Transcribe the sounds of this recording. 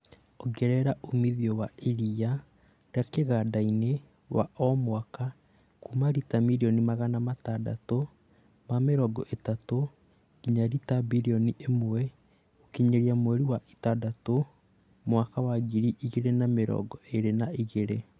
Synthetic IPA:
oɡɛɾɛɾaʔomiðiɔwaiɾia | ɾakeɣadaine | wa̰ʔɔmwaka | kumaɾitamiɾiɔnimaɣanamatada̰to | mameɾɔɡɔʔetato | kiɲaɾitabiɾiɔniʔemoɛ | okiɲeɾiamwɛɾiwaʔitadato | mwakawaɣiɾiʔiɣeɾenameɾɔ̰ɡɔeɾenaiɣeɾe

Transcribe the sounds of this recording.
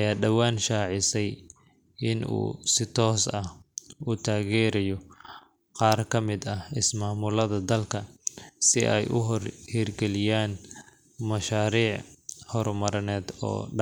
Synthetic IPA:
ɐjaːɖɐwaːnʃaːʕɪsɛj | ɪnṵːsɪt̪ʰɔːsɐhuːt̪ʰaːɣɛːɾɐjɔ | qɑːrkʰɐmɪd̪ɐhɪsmaːmʊlɐðɐd̪ɐlkʰɐsɪʔɛjʔʊɦɔrhiːrɡɛlɪjaːn | mɐʃaːɾiːʕhɔɾmɐɾɐnɛːd̪ɔ̰ːɖɐ

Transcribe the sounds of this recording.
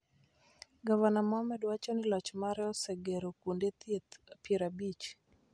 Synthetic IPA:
ɡavanamɔmɛdwat͡ʃɔnɪlɔt͡ʃmaɾɛɔsɛɡeɾokundet̪et̪peɾabit͡ʃ

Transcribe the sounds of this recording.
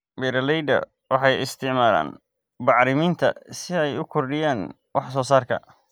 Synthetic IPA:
bɛːɾɐlɛjd̪ɐ̰ | wɑħɑjɪst̪ʰɪʕmaːla̰ːn | bɑʕɾɪmiːnt̪ʰɐ̰sɪɛjʊkʰɔrɖɪjaːn | wɑħsɔːsaːrkʰɐ̰

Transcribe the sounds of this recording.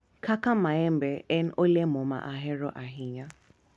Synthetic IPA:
kʰakamaɛmbɛʔɛn̩ʔolɛmoma̰ʔaɦɛɾɔʔaɦiɲa

